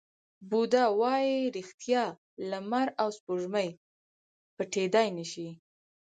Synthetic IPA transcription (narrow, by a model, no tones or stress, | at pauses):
bud̪ɑwɑjiɾixt̪jɑ | lamaɾawspoʒməj | pəʈed̪ɑjnəʃi